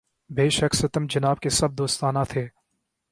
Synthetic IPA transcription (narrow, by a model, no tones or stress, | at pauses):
beːʃəɐksɐt̪əmd͡ʒɐnaːb̚kesɐb̚d̪oːst̪aːnat̪ʰeː